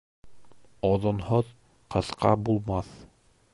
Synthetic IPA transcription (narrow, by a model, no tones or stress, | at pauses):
ɒðŏnhoð | qɤ̆θqʰɑ̰bulˠmɑθ